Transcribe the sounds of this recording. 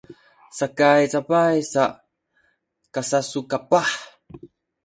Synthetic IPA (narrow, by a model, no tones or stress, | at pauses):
sakajt͡sapajsa | kasasukapaħ